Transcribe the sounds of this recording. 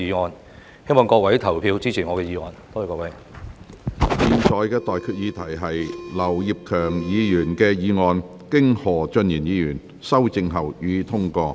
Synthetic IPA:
iː˨˧ŋɔː˨˧n | he˥jmɔː˨˩ŋkɔː˧k̚wɐ˨˥jt̪ʰɐ˨˩wpʰiː˧wt͡siː˥t͡sʰiː˨˩ŋɔ˨˧kɛː˧jiː˨˧ŋɔː˧nt̪ɔ˥˨˧kɔː˧˥wɐ˨˧˥j | jiː˨˧nt͡sʰɔː˨˧jkɛː˧t̪ɔː˨jkʰyː˧t̚jiː˨˧t̪ʰɐ˨˩jɦɐ˨jlɐ˨˩wjiː˨p̚kʰœː˨˩ŋjiː˨˧jyː˨˩nkɛː˧jiː˨˧ŋɔː˧n | kɪ˥ŋhɔː˨˩t͡ʃɵ˧njiː˨˩njiː˨˧jyː˨˩n | sɐ˥wt͡sɪ˨˧ŋɦɐ˨˩wjyː˨˧t̪ʰʊ˥ŋkɔː˧

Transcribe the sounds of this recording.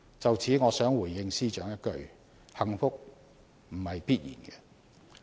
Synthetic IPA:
t͡sɐ˨wt͡sʰiː˨˥ŋɔː˨˧sœː˨˥ŋwuː˨˩jːɪ˧ŋsiː˥t͡ʃœː˨˥ŋjɐ˥t̚kɵ˨˧ɥ | hɐ˨ŋfʊ˥k̚ | m̩˨˩hɐ˨jpiː˥t̚jḭː˨˩nɡɛ˧

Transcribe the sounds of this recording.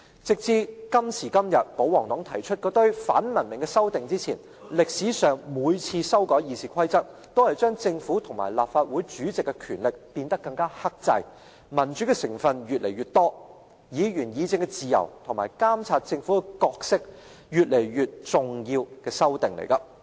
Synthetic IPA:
t͡sɪ˨k̚t͡siː˧kɐ˥msiː˨˩kɐ˥mjɐ˨t̚po˨˥wɔː˨˩ŋt̪ɔː˨˥ŋt̪ʰɐ˨˩jt͡ʃʰɵ˥t̚kɔː˧˥t̪ɵ˥ɥfa̰ː˨˥nmɐ˨˩nmɪ˨˩ŋkɛ˧sɐ˥wt̪ɪ˨ŋt͡siː˥t͡sʰiː˨˩n | lɪ˨k̚siː˨˥sœː˨ŋmuː˨˧jt͡sʰiː˧sɐ˥wkɔː˨˥jiː˨˧siː˨˧kʰɐ˥jt͡sɐ˥t̚t̪o˥whɐ˨jt͡ʃœː˥ŋt͡sɪ˧ŋfuː˨˥t̪ʰʊ˨˩ŋma̰ː˨˩jla̰ː˨p̚faː˧t̚wuː˨˥jt͡ʃyː˨˥t͡sɪ˨kːɛ˧kʰyː˨˩nlɪ˨k̚piː˧nt̪ɐ˥kːɐ˧ŋkaː˥hɐ˥k̚t͡sɐ˧j | mɐ˨˩nt͡ʃy˨˥kɛ˧sɪ̰˨˩ŋfɐ˨˧njyː˨t̚le˨˩jɥyː˨t̚t̪ɔː˥ | jiː˨˧jyː˨˩njiː˨˧t͡sɪ˧ŋkɛ˧t͡siː˨jɐ̰˨˩wt̪ʰʊ˨˩ŋma̰ː˨˩jkaː˥mt͡sʰaː˧t̚t͡sɪ˧ŋfuː˨˥kɛ˧kɔː˧k̚sɪ˥k̚ | jyː˨t̚le˨˩jɥyː˨t̚t͡sʊ˨ŋjiː˧wkɛː˧sɐ˥wt̪ɪ˨ŋlḛ˨˩jkɐ˧

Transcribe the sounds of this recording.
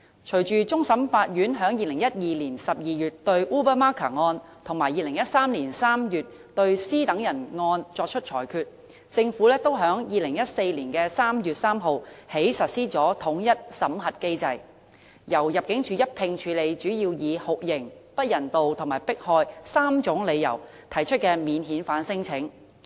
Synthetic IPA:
t͡ʃʰɵ˨˩ɥt͡ʃyː˨t͡sʊ˥ŋsɐ˨˥mfaː˧t̚jyː˨˥nɦœː˨˥ŋjiː˨lɪ˨˩ŋjɐ˥t̚jiː˨liː˨˩nsɐ˨p̚jiː˨˧jyː˨t̚t̪ɵ˧ɥʔuː˥bə˥maː˥kʰa̰ː˨˩ŋɔː˧nt̪ʰʊ˨˩ŋmaː˨˩jiː˨lɪ˨˩ŋjɐ˥t̚saː˥mliː˨˩nsaː˥mjyː˨t̚ | t̪ɵ˧ɥsiː˥t̪ɐ˨˥ŋjɐ˨˩nŋɔː˧nt͡sɔː˧k̚t͡ʃʰɵ˥t̚t͡ʃʰɔː˨˩jkʰyː˨˧t̚ | t͡sɪ˧ŋfuː˨˥lɛː˥t̪o˥wɦœː˨˥ŋjiː˨lɪ˨˩ŋjɐ˥t̚se˧jliː˨˩nkɛː˧saː˥mjyː˨t̚saː˥mɦo˨whe˨˥jsɐ˨t̚siː˥t͡sɔː˨˥t̪ʰʊ˨˥ŋjɐ˥t̚sɐ˨˥mɦɐ˨t̚ke˥jt͡sɐ˧j | jɐ˨˩wjɐ˨p̚kɪ˨˥ŋt͡ʃʰyː˨˧jɐ˥t̚pʰɪ˧ŋt͡ʃʰyː˨˧le˨˧jt͡ʃyː˨˥jiː˧wjiː˨˧hʊ˨k̚jɪ˨˩ŋpɐ˥t̚jɐ˨˩nt̪o˨wt̪ʰʊ˨˩ŋmaː˨˩jpɪ˥k̚hɔː˧jsaː˥mt͡ʃʊ˨˥ŋle˨˧jːɐ̰˨˩w | t̪ʰɐ˨˩jt͡ʃʰɵ˥t̚kɛː˧miː˨˧nɦiː˨˥nfaː˨˥nsɪ˥ŋt͡sʰɪ˨˥ŋ

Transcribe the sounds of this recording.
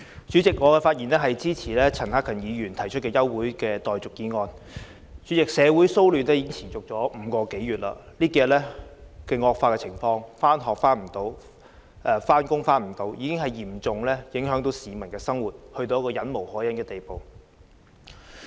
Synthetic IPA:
t͡ʃy˨˥t͡sɪ˨k̚ŋɔː˨˧kɛ˧faː˧t̚jiː˨˩nlɛː˥ɦɐ˨jt͡siː˥t͡sʰiː˨˩lɛː˥t͡sʰɐ˨˩nhaː˥kʰːɐ˨˩njiː˨˧jyː˨˩nt̪ʰɐ˨˩jt͡ʃʰɵ˥t̚kɛː˧jɐ˥wwuː˨˥jkɛː˧t̪ɔː˨jt͡sʊ˨k̚kiː˧nŋɔː˧n | t͡syː˨˥t͡sɪ˨k̚sɛː˨˧wuː˨˥jso˥wlyː˨˩nɛː˥ji˨˥kɪ˥ŋt͡sʰiː˨˩nt͡sʊ˨k̚t͡ʃɔː˨˥m̩ː˨˧kɔː˧ke˨˥jɥyː˨˩t̚la̰ː˧liː˥kɛː˧lɛ˥kɛː˧ŋɔː˧k̚faː˧kɛː˧t͡sʰɪ˨˩ŋfɔː˧ŋfaː˥nɦɔː˨k̚faː˥nm̩˨˩t̪o˨˥w | ʔɛː˨˧faː˥nkʊ˥ŋfaː˥nm̩˨˩t̪o˨˥wjiː˨˧kɪ˥ŋɦɐ˨jjiː˨˩mt͡sʊ˨ŋlɛː˥jɪ˨˥ŋɦœː˨˥ŋt̪o˨˥wsiː˨mɐ˨˩nkɛː˧sɐ˥ŋwuː˨t̚hɵ˧t̪o˧wjɐ˥kːɔː˧jɐ˨˥nmo˨˩whɔː˨˥jɐ˨˥nkɛː˧t̪e˨jpo˨w

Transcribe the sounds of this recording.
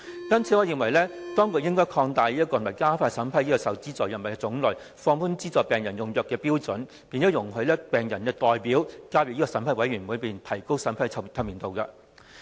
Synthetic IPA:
kɐ˥nt͡sʰiː˨˥ŋɔː˨˧jɪ˨˩ŋwɐ˨˩jlɛː˥t̪ɔː˥ŋkʊ˧jɪ˥ŋkɔː˥jkʰɔː˧ŋt̪aː˨˧jliː˥ɐ˥kːɔ˧˨˩mɐ˨jkaː˥faː˧sɐ˨˥npʰɐ˥jiː˥kɔ˧sɐ˨˩wt͡siː˥t͡sɔː˨˩jɐ˨nmɐ˨˩kɛ˧t͡sʊ˨˥ŋlɵ˨˩ | fɔː˧ŋfuː˥nt͡siː˥t͡sɔː˨jpɛː˨˩ŋjɐ˨˩njʊ˨˩ŋjœː˨kːɛː˧piː˥wt͡sɵ˨˥n | piː˧nt͡sɔ˨˥wjʊ˨˩ŋɦʰɵ˨˧˥lɛ˥pɛː˨˩ŋjɐ˨˩nkɛː˧t̪ɔː˨jpiː˨˥wkaː˧˥wɪ˨k̚i˥ɔ˧sɐ˨˥mpʰɐ˨˥jwɐ˨˥jɥyː˨˩mu˨˥piː˨˩nt̪ʰɐ˨˩jko˥wsɐ˨˥npʰɐ˨˥jʰɐ˧˩t̪ʰɐ˧wmiː˨nt̪o˨wkɐ˧

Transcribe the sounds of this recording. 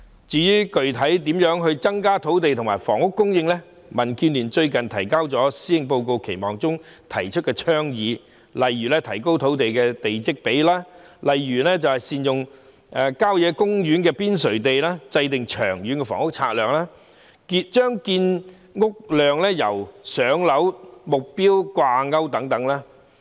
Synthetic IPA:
t͡syː˨jyː˥kɵ˨ɥt̪ʰɐ˨˥jt̪̬i˨˥mjœː˨˥ŋɦɵ˧t͡sɐ˥ŋkaː˥t̪ʰo˨˥wt̪̬e˨jt̪ʰmaː˨˩jfɔː˨˩ŋʊ˥kːʊ˥ŋjɪ˧ŋlɛ˥ | mɐ˨˩nkiː˧nliː˨˩nt͡ʃɵ˧ɥkɐ˨nt̪ʰɐ˨˩jkaː˥wt͡sɔː˨˥siː˥jɪ˨˧ŋp̬o˧wko˧wkʰe˨˩jmɔː˨˩ŋt͡sʊ˥ŋt̪ʰɐ˨˩jt͡ʃʰɵ˥kɛː˧t͡ʃʰœː˥ŋjiː˨˧ | lɐ˨jːyː˨˩lɛː˥t̪ʰɐ˨˩jko˥wt̪ʰo˨˥wt̪e˨jkɛː˧t̪e˨jt͡sɪ˥k̚pe˨˥jlaː˥ | lɐ˨jɥyː˨˩lɛː˥t͡sɐ˨whɐ˨jsiː˨njʊ˨ŋ | ʔɛ˨˧kaː˥wjɛː˨˧˥kʊ˥ŋjyː˨˥nkɛː˧piː˥nsɵ˨˩t̪e˨jlaː˥t͡sɐ˧jt̪ɪ˨ŋt͡ʃʰœ̰ː˨˩ŋɥy˨˥nkɛ˧fɔ̰ː˨˩ŋʊ˥k̚t͡sʰaː˧t̚lœː˨k̚laː˥ | ki˧t͡ʃœː˥ŋkiː˧n | ŋʊ˥k̚lœː˨ŋlɛː˥jɐ˨˩wsœː˨˥ŋlɐ˨˥wmʊ˨k̚piː˥wkʷwaː˧ŋɐ˥wt̪ɐ˨˥ŋt̪ɐ˨˥ŋlaː˥

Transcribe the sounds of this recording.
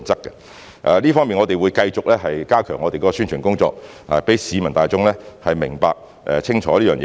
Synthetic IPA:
nt͡sɐ˥kːɐ̥˧ | ʔɛ̰˨liː˥fɔː˥ŋmiː˨nŋɔ˨˧t̪e˨jwu˨˧jkɐ˧jt͡sʊ˨k̚lɛː˥ɦɐ˨jkaː˥kʰœː˨˩ŋːɔː˨˧t̪e˨kɔː˨˧˥ɔ˧syː˥nt͡ʃʰyː˨˩nkʊ˥ŋt͡sɔ̰ː˧k̚ | ɐ̰˨pe˨˥jsiː˨˧mɐ˨˩nt̪aː˨jt͡sʊ˥ŋlɛ˥hɐ˨jmɪ˨˩ŋpaː˧k̚ | ʔɛ˨t͡sʰɪ˥ŋt͡ʃʰɔː˨˥liː˥jœː˨ŋjɛː˧

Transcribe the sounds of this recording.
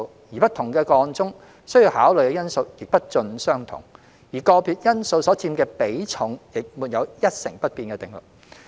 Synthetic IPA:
jiː˨˩pɐ˥t̪ʰʊ˨˩ŋkɛː˧kɔː˧ŋt͡sʊ˥ŋ | sɵ˥ɥji˧whaː˨˥wlɵ˨˩jkɛ˧jɐ˥nso˧wjɪ˨k̚pɐ˥t̚t͡sɵ˧nsœː˥ŋt̪ʰʊ̰˨˩ŋ | jiː˨˩kɔː˧pʰiː˧t̚jɐ˥nso˧wsɔː˨˥t͡siː˧mkɛː˧pe˨˥jt͡sʰʊ˨˥ŋjɪ˨k̚muː˨˩t̚jɐ˨˧wjɐ˥t̚sɪ˨˩ŋpɐ˥t̚piː˧nkɛː˧t̪ɪ˨˩ŋlʊ̰˨˩k̚

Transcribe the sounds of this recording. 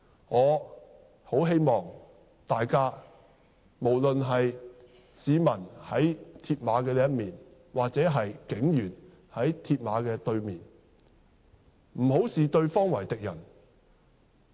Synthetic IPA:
ŋɔː˨˧ | ho˨˥wɦe˥jmɔː˨˩ŋ | t̪aː˨jkaː˥ | mo˨˩wlɵ˨nɦɐ˨j | siː˨˧mɐ˨˩nhɐ˨˥jt̪ʰiː˧t̚maː˨˧kɛː˧liː˥jɐ˥t̚miː˨n | waː˨k̚t͡sɛː˨˥ɦɐ˨jkɪ˨˥ŋjyː˨˩n | hɐ˨˥jt̪ʰiː˧t̚maː˨˧kɛː˧t̪ɵ˧ɥmiː˨n | m̩˨˩ɦo˨˥wsiː˨t̪ɵ˧ɥfɔː˥ŋwɐ˨˩jt̪ɪ˨k̚jɐ˨˩n

